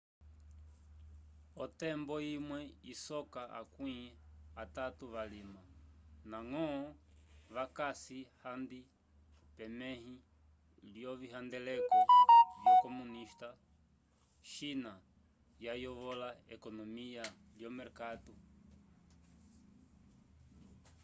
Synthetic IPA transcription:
ɔt̪ɛmbɔimwɛisɔkaʔa̰kwĩat̪at̪uβalimanaŋɔːβakasihand̪i | pɛmɛhĩ | ljɔβiɦand̪ɛlɛkɔβjakɔmuniʃt̪a | ʃina | jajɔβɔlaɛkɔnɔmialjɔmɛɾkat̪u

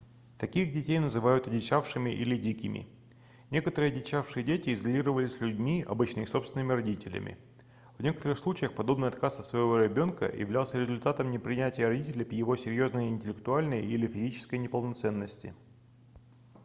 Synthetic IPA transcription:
t̪ɐkʲixdʲɪtʲejnəzɨvajʊt̪ɐdʲɪt͡ɕafʂɨmʲɪʔilʲɪdʲikʲɪmʲʔɪ̰ | nʲe̞kət̪əɾɨjdʲɪt͡ɕafʂɨjədʲetʲɪɪzɐlʲiɾəvəlʲɪsʲlʲʉdʲmʲiɐ̰bɨt͡ɕnɨxso̞pst̪ʲɪnəmʲɪɾɐdʲitʲɪlʲɪ̰mʲɪ̰ | vnʲe̞kə̥t̪əɾɨxslˠut͡ɕɪjəxpɐd̪o̞bnɨjɐt̪kasɐt̪svəjɪvo̞ɾʲɪbʲo̞nkə̰jɪ̰vlʲalˠsʲəɾʲɪzʊlʲt̪at̪əmnʲɪpɾʲɪnʲætʲɪjərɐdʲitʲɪlʲɪpʲjɪvo̞sʲɪɾʲjo̞znəjəɪnʲtʲɪlʲɪk̚t̪ʊalʲnəjəʔilʲɪfʲɪzʲit͡ɕɪ̥skəjnʲɪpəlˠnɐt̪sɛnːəsʲtʲɪ̰

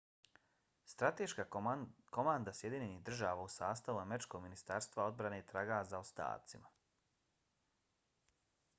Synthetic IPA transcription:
st̪ɾat̪eʃkako̞mand̪asje̞d̪iɲe̞niɦd̪ɾr̩ʒaːʋausaːst̪aʋuameɾit͡ʃko̞ɡminist̪aɾst̪vʋao̞d̪bɾane̞it̪ɾaɡazaost̪a̰ːt̪sima

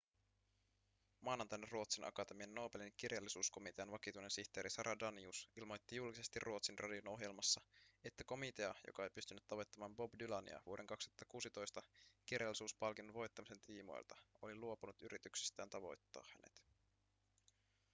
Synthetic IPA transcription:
mɑːnɑnt̪ɑjneruo̞t̪sinʔɑ̰kɑt̪e̞miɑnːo̞ːbelink̟irjɑlːisuːsko̞mit̪eɑnʋɑkit̪ujnensiçt̪e̞ːɾisɑɾʔɑdɑniusilmo̞jt̪ːijulkise̞st̪irrʔuo̞t̪sinrʔɑ̰djono̞ɦje̞lmɑsːɑe̞t̪ːæko̞mit̪e̞ɑjo̰kɑe̞jpyst̪ynːyt̪ːɑʋo̞jt̪ːɑmɑːmbo̞bdylɑnḭɑ̰ʋuoɾʔe̞ŋkɑkst̪u̥ɑt̪ːɑkuːsit̪o̞jst̪ɑkirjɑlːisuːspɑlkinːuʋo̞jt̪ːɑmise̞nt̪ʰiːmo̰j̰lt̪ɑo̞liluo̞punut̪yɾit̪yksi̥st̪æːnt̪ɑʋo̞̰jt̪ːɑ̰ːhhæne̞̰t̪

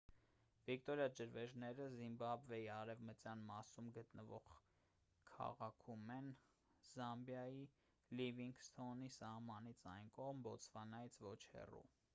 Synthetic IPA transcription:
vikt̪ɔɾjɑd͡ʒəɾvɛʒnɛɾəzimbɑbvɛiɑɾɛvmət͡sjɑnmɑsumɡət̪nəvɔʁ | kʰɑ̰ʁɑkʰumɛn | zɑmbjɑji | liviŋɡst̪ʰɔnisɑhmɑnit͡sʰɑjnkɔʁmbɔt͡sʰvɑnɑjit͡sʰvɔt͡ʃʰhɛ̰rṵ

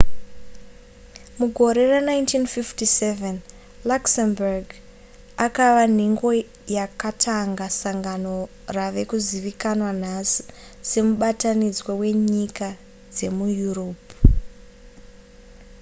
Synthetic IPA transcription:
muɡʱo̞ɾe̞ranaintʰinfiftiseven | laksembarɡ | akaʋan̤iŋɡo̞ | jakatʰaŋɡasaŋɡano̞ | raʋe̞kuziʋikanwan̤asi̥se̞muɓatanid͡zwowe̞ɲika | d͡ze̞mujuroːpu

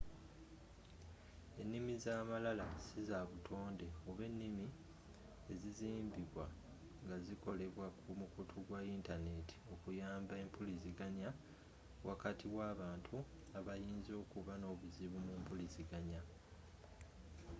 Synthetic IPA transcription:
e̞nːimizaːmalalasizaβutʰo̞ːnde̞oβe̞nːimi | e̞ziziːmbiβwa | ŋɡaziko̞leβwakʰumukutʰuɡwaintane̞tʰi̥o̞kujaːmbae̞mpʰulisiɡaɲa | wʔakatʰiwaːβaːntʰu | aβajiːnzo̞ːkuβano̞ːβuziβumumpulisiɡaɲa

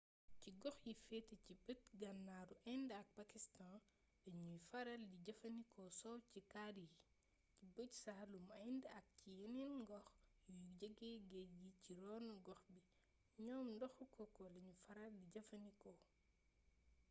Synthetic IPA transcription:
ciɡɔxjifɛticibət̚ɡɐnːaːɾuʔɐjndɐk̚pɐkistãn | lɐɲufɐɾɐldiɟɐfɐnikʰɔsɔwcikadi | cibəɟsɐhɐlumɐjndɐk̚cijɐninɡɔxjuɟəɡɛɡɛɡiciɾɔːnɡɔxbi | ɲɔːmndɔxukɔkɔlɐɲufɐɾɐldiɟɐfɐnikɔ

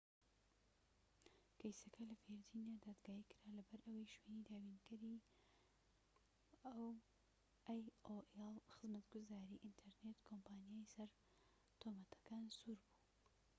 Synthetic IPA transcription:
kʰɐjsɐkʰɐlɐfeɾd͡ʒinijad̪aːd̪ɡaːikɨɾalɐbɐɾʔɐwɐjʃwenid̪aːwinkɨɾi | ɐw | ʔajoʔelˠxɨzmɐt̪ɡʊzaːɾiːʔint̪ʰɛɾnet̪kʰompaːnijajsɐɾ | t̪ʰomɐt̪ʰɐ̥kaːnsuɾbu̥

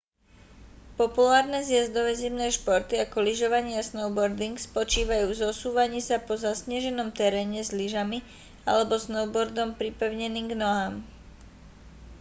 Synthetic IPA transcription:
pɔpulaːɾnɛzɪjɛzd̪ɔʋɛzimnɛːʃpɔɾt̪iakɔliʒɔʋaɲɪasnɔʊbɔɾd̪iŋkspɔt͡ʃiːʋajuːvzɔsuːʋaɲiːsapɔzasɲɪɛʒɛnɔmt̪ɛɾɛːɲɛzliʒami | a̰lɛbɔsnɔʊbɔɾd̪ɔmpɾipɛʊɲɛniːmɡnɔɦaːm

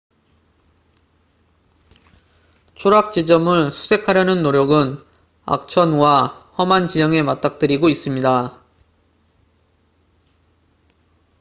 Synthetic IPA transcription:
t͡ɕʰoɾak̚t͡ɕ͈id͡ʑʌmɯɭsʰu̥sʰe̞kʰaɾjʌnɯnːoɾjʌɡɯn | a̰k̚t͡ɕʰʌnwahʌmant͡ɕid͡ʑʌŋe̞mat͈ak̚t͈ɯɾiɡois͈ɯmɲida

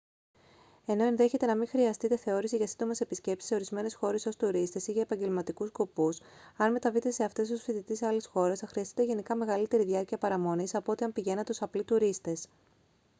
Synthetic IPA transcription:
e̞no̞enðe̞çe̞t̪e̞nɐmiŋxɾiɐst̪it̪e̞θe̞o̞ɾisiʝɐsind̪o̞me̞se̞pisce̞psi̥sːe̞o̞ɾizme̞ne̞sxo̞ɾe̞so̞st̪uɾist̪e̞siʝɐepɐɲɟe̞lmɐt̪ikuskopusɐnme̞t̪ɐvit̪e̞se̞ɐft̪e̞sosfiðit̪isɐlisxo̞ɾe̞sɐxɾiɐst̪i̥t̪e̞ʝe̞nikɐme̞ɣɐlit̪e̞ɾiðiɐɾciɐpɐɾɐmo̞nisɐpoot̪iɐmpiʝe̞nɐt̪usɐplit̪uɾist̪e̞s

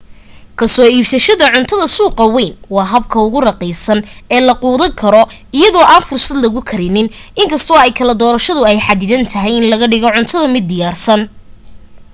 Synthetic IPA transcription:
kʰɐsɔːiːbsɐʃɐðɐʕʊnt̪ʰɐðɐsuːqɐwɛjnwɑːɦɐb̚kʰɐʊɣʊrɐqɛːsɐnɛːlɐquːðɐŋkʰɐɾɔ | ɪjɐðɔːʔaːnfʊrsɐd̪lɐɣʊkʰɐɾɪnɪnɪŋkʰɐst̪ʰɔːɛjkʰɐlɐd̪ɔːɾɐʃɐðʊɛjħad̪ɪðɐnt̪ʰɐɦɛjɪnlɐɣɐɖɪɣɔʕʊnt̪ʰɐðɐmɪd̪̚ːɪjaːrsɐn

